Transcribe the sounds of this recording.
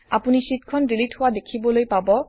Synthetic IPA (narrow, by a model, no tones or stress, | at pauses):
apunisitkʰɔndilithowadekʰibɔlojpabɔ